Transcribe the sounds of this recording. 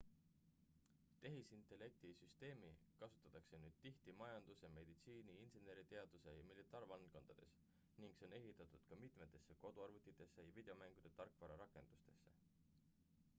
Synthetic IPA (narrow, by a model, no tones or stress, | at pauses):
t̪e̞ɦisint̪ˑe̞lːe̞k̚t̪isyst̪e̞ːmikɑsu̥t̪ːˑɑt̪ːˑɑkse̞nyːd̪̥t̪iht̪imɑjɑnd̪̥usjɑme̞d̪̥it̪siːniinsene̞ɾit̪e̞ɑd̪̥use̞jɑmilit̪ːˑɑːɾvɑlt̪̚ko̞nd̪̥ɑd̪̥e̞s | niŋɡ̥se̞one̞ɦit̪ːˑɑt̪ˑud̪̥kɑmit̪ˑme̞t̪ːˑe̞sːe̞ko̞d̪̥uɑrvut̪ːˑit̪ˑːe̞sːe̞jɑvid̪̥e̞o̞mæŋɡ̥ud̪̥e̞t̪ɑrkˑvɑɾɑɾɑkˑe̞nd̪̥ust̪e̞sːe̞̰